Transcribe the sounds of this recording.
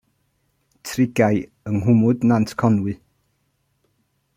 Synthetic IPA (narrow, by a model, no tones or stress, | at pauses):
tʰrɪɡaj | əŋɦʊmʊdnantʰkʰɔnwɨ